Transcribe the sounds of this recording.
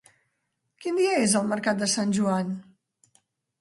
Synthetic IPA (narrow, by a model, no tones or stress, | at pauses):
kind̪iəezəlˠməɾkat̪̚d̪əsanʲʒuan